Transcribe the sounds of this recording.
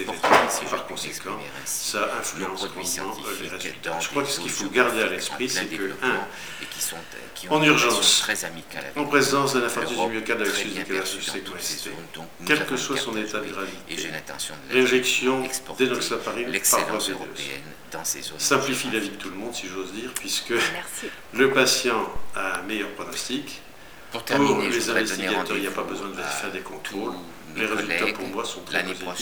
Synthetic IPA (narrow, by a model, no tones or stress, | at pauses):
eʁeyt̪epaʁkɔ̃sekʰɑ̃ | saʔɛ̃flyɑ̃skmɔ̃d̪mɑ̃leʁezy̰lt̪aʒə̥kχwaksə̥kilfoɡaʁd̪ealɛspχisɛkkəɛ̃ | ɑ̃nyʁʒɑ̃s | ɑ̃pχezɑ̃sd̪ɛ̃nɛ̃fɔʁyzymjøkad̪avɛksizd̪ekalɛʁsyseksit̪ḛ | kʲɛlkəswasɔ̃net̪ad̪əɡʁavit̪eʁeʒɛksjɔ̃d̪enɔksapaʁimpaʁfwaped̪ø̰ː | sɛ̃plifilavid̪ət̪uləmɔ̃d̪siʒozd̪iːʁpɥiskə | ləpasjɑ̃aɛ̃mɛjœʁpχɔnɔst̪ik̪ | puʁlezɛ̃vɛst̪iɡad̪œʁilapabəzwɛ̃d̪əveifɛʁd̪ekɔ̃t̪χolː | eʁezylt̪apuʁmwasɔ̃t̪χɛpzi